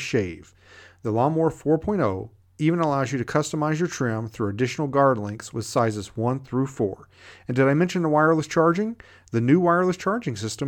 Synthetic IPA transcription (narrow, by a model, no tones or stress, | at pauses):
ʃeɪv̥ | ðəlɔmɔɹfɔɹpʰɔ̃ɪ̃ɾtoʊ | ivɨ̃nəlaʊzjɨɾɨkʰʌstəmaɪzjə˞tʰɹ̥iə̃mθɹʉɨdɪʃnl̩ˠɡɑɹdˡlɪ̃ŋkswɨð̥saɪzɨzwʌ̃nθɹʉfɔ̰ɹ | ɨ̃ndɨɾaɪmɛ̃nʃɨ̃n̩ðəwaɪə˞lˠəst͡ʃʰɑɹd͡ʒɪ̃ŋ | ðɨnʉwaɪə˞lˠəst͡ʃʰɑɹd͡ʒɪ̃ŋsɪstə̃m